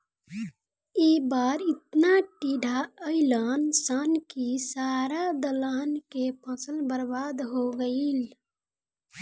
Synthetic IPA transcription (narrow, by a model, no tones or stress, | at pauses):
ebaːɾɪt̪naʈiɖʱaəɪlənsankisaːɾad̪əlaːnkepə̃səlbəɾbaːd̪ɦoɡəil